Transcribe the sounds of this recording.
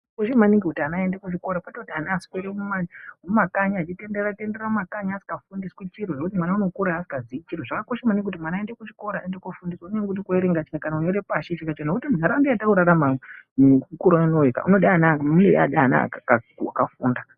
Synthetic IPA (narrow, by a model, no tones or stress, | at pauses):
koʃemaniŋɡekutianaendekuʐikoɾapatakutianaːsi̥kweɾemumaniumakaɲaat͡ʃite̞nderatenderamakaɲaasi̥kafundisi̥kwit͡ʃiroʐekutimwanaunokuɾaasi̥kazit͡ʃiroʐakako̞ʃemaniŋɡekut̬imwanaendekut͡ʃiko̞ɾaendekofundiswaunenkut̬ikoeɾeŋɡat͡ʃiakanauɲoɾepaʃiʃikat͡ʃnekutimunaɾandejatauɾaɾamamukuɾounoika̰ʔuno̞ɗaanakamunea̰ɗaana̰kakaakafuːnda